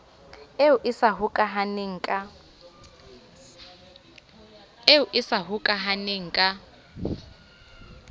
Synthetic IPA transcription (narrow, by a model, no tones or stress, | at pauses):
euʔisaɦukʼaɦaneŋ̩kʼa | euʔisaɦukʼaɦaneŋ̩kʼa